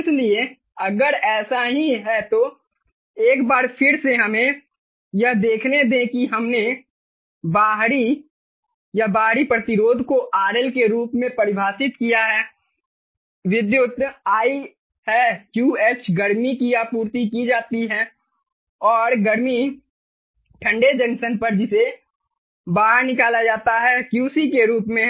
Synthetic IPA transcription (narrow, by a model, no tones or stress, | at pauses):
ɪslie | ɐɡəɾɛːsaɦiɦɛt̪o | eːkbaːɾpʰɪɾseɦɐmẽ | jɐɦd̪eːkʰned̪ẽkiɦɐmne | baːɦɾi | jabaːɦɾipɾɐt̪ɪɾoːd̪ʱkoʔaːɾɛlkeɾuːpmẽpɐɾɪbʱaːsɪt̪kijaɦɛː | ʋɪd̪jʊt̪aːi | hɛkjuːeːt͡ʃɡəɾmikijapuːɾt̪ikid͡ʒaːt̪iɦɛː | ɔːɾɡɐɾmi | ʈʰə̃ɳɖed͡ʒənsənpɐɾd͡ʒɪse | baːɦəɾnɪkaːlad͡ʒaːt̪aɦɛːkjuːsikeɾuːpmẽ